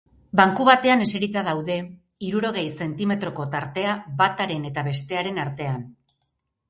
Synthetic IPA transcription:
baŋkuβat̪e̞ane̞se̞ɾit͡s̪að̞awðe̞ | iɾuɾo̞ɣ̞e̞jse̞nt̪ime̞t̪ɾo̞ko̞t̪aɾt̪e̞aβat̪aɾe̞ne̞t̪aβe̞st̪e̞aɾe̞naɾt̪e̞an

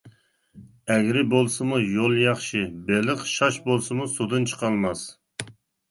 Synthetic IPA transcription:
ɛɡʲɾɪbolˠsɨmujolˠjɑχʃibelɨχʃɑʃbolˠsɨmusod̪ɨnt͡ʃʰə̥qʰɑlˠmɑs

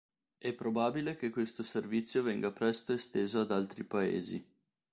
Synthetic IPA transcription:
ɛpːɾobaːbilekekwest̪oservit̪sːjovɛŋɡapɾɛst̪oest̪eːzoad̪alt̪ɾipaḛːzi

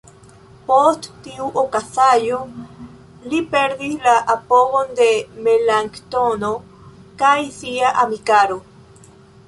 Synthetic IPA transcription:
post̪t̪iuʔokasajo | lipeɾðilaʔapoɣond̪emelaŋkt̪ono | kajsiaʔamikaɾo

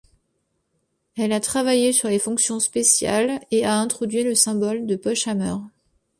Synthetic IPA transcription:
ɛlat̪χavajesyʁlefɔ̃ksjɔ̃spesja̰leaɛ̃t̪χɔd̪ɥiləsɛ̃bɔld̪əpɔʃamœːʁ

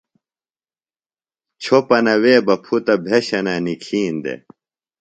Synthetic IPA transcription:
t͡ɕʰopɐnɐweːbɐpʰut̪ɐbʱeɕɐnanikʰiːnd̪ḛ

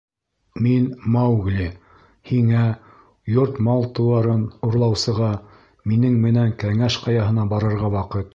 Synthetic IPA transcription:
minmɑwɡlʲi | hiŋæ | joɾt̪mɑlˠt̪ŭwɑɾɤnuɾlˠɑwsɤ̆ʁɑ | minɘŋmɘ̆næŋkæŋæʃqɑjɑɦɤ̆nɑbɑɾɤ̆ɾʁɑwɑqɤt̪

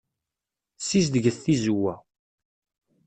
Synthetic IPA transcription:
sis̬d̪əɡəθθizuwæ

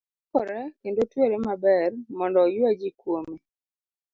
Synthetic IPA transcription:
kɔɾɛkendotweɾemabɛrmɔndɔjwad͡ʒikwome

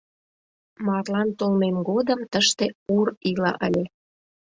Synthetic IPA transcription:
mɑrlɑnt̪olmemɡod̪əmt̪əʃt̪eurilɑ̰ʔə̰lʲe

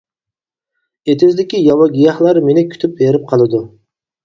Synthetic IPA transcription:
et̪ʰɪzd̪ɪkʲijɑwɑɡʲijɑhlˠɑɾmenɪkʲʰy̥t̪ʰyp̚beɾɪp̚qʰɑlˠɨd̪u

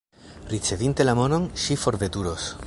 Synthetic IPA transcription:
ɾit͡se̞vint̪e̞lamo̞no̞nʃifo̞ɾve̞t̪uɾos

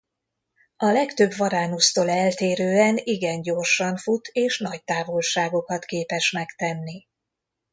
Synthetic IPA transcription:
ɒlɛkt̪ø̞bʋɒɾaːnust̪oːlɛlt̪eːɾøːɛniɡɛɲɟo̞rʃɒɱfut̪ʰeːʃnɒc̚t̪aːvo̞lʃaːɡo̞kɒt̪keːpɛʃmɛkt̪ɛnːi

